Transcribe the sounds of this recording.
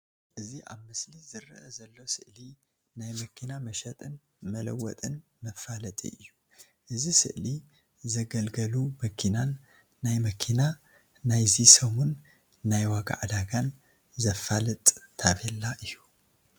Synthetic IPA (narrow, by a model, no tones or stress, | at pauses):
ʔɨziʔa̰βmɨslizɨɾɐʔɐzɐlːo̞sɨʔli | najmɐkʰinamɐʃɐt̪ʼɨn | mɐlɐwːɔ̰t̪ʼɨn | mɐfːalɐt̪ʼḭʔɨjːu | ʔɨzisɨ̰ʔli | zɐɡɐlɡɐlumɐkʰinanː | ajmɐkʰina | najzisomunː | ajwaɡa̰ʕad̪aɡan | zɐfalɨt̪ʼːʰaβɛlːaʔɨjːu